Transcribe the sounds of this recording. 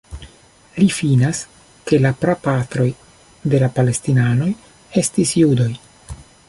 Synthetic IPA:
lifinas | ke̞lapɾapatɾo̞j | de̞lapale̞stinano̞j | e̞stisjudo̞j

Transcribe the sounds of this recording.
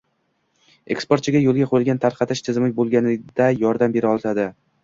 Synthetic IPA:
e̞̰kspoɾt̪̚t͡ʃʰɪɡʲajolˠɡʲaqʰʊɾɪlˠɡʲant̪ʰaɾqʰɑt̪ʰɪʃt̪ʰɪzɪmɪk̚ʲbolˠɡʲanɪd̪ajɒɾd̪ambe̞ɾɪɒlˠt̪ʰad̪ɪ

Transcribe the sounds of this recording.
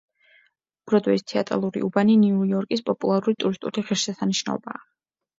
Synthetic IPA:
ɡ̥ɾɔd̪wɛist̪ʰɛa̰t̪ʼɾa̰lˠuɾḭʔubaniniujɔɾkʼispʼɔpʼulˠaɾuɾit̪ʼuɾist̪ʼṵliʁiɾsasaniʃna̰ɔ̰baː

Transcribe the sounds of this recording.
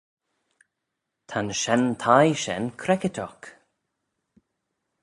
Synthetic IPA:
t̪ʰanʃɛnt̪ʰajʃɛ̰nkʰɾɛkɪt̪ʰɔk

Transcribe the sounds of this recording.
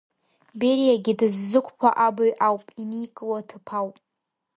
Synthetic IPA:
beɾijaɡʲɪdɨzːɨkʷʰʼpʰa̰ʔabaɥʔawpʼinijkʼɨlatʰɨpʰawpʼ

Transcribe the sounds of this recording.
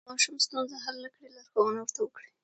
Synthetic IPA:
mɑʃumst̪unzaɦalːakɽilaɾxowənawəɾt̪awəkɽi

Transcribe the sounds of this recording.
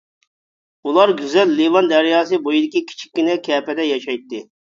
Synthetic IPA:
ulˠɑɾɡʲyzɛlːevɑnd̪ɛɾjɑːsɨbojid̪ɪkʲikʲʰi̥t͡ʃʰi̥kʲːinɛkʲʰɛːpɛd̪ɛjɑʃɑjt̪ːɪ

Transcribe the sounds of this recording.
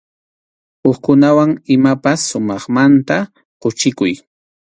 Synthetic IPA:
oχkʊnawaŋɪmapasːʊmɑχmant̪a | qʊt͡ʃɪkʊj

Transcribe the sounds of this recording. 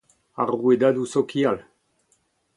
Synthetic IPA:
aʁued̪ad̪usokial

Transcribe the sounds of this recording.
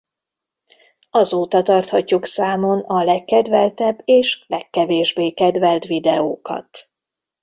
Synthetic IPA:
ɒzoːt̪ɒt̪ɒrt̪hɒcːuksaːmo̞nɒlɛkːɛd̪vɛlt̪ɛbːeːʃlɛkːɛveːʒbeːkɛd̪vɛlt̪ʋid̪ɛoːkɒ̰t̪

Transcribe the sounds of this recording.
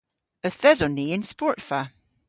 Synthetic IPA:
əθɛzɔneɪnspɔɹtfa

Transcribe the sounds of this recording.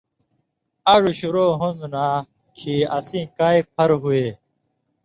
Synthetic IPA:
aːʐuɕuɾoːɦũnd̪unaː | kʰiɐ̰sĩːkaːipʰɐɾɦueː

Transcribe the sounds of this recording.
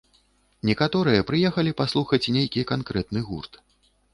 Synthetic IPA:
nʲɛkat̪ɔɾɨjɐpɾɨjɛxɐlʲipaslˠuxɐt͡sʲnʲejkʲikankɾɛt̪nɨɣurt̪

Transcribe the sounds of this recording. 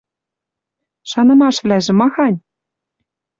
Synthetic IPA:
ʃɑnɤ̆mɑʃvlæʒɘ̆mɑxɑnʲ

